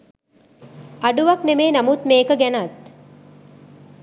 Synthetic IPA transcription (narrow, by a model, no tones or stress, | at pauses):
ɐɖuʋɐknemeːnɐmut̪meːkəɡænɐt̪